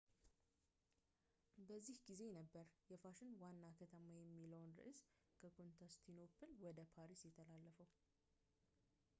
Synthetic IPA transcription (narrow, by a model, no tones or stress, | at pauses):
bəzːihɡize̞nəbːəɾjɛfaʃɪnwanːakʰət̪ʰəmajɛmːiləwnɾɨ̰ʔɨs | kʰəkʰo̞nt̪ʰast̪ʰinopʰɨlwɔd̪əpʰaɾisjɛt̪ʰːəlalːəfəw